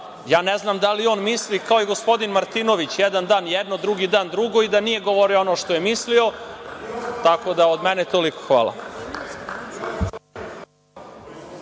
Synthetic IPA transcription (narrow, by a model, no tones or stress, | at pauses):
jaːneznamd̪alio̞ːnmislikaojeɡo̞spo̞d̪inmaɾt̪ino̞ʋit͡ɕjɛd̪and̪aːnjɛd̪nod̪ɾuɡid̪aːnd̪ɾuɡo̞id̪anije̞ɡoʋoɾioonoʃt̪oje̞mislio̞ | t̪ako̞d̪aod̪mɛnet̪oliko̥xʋa̰ːlˠa̰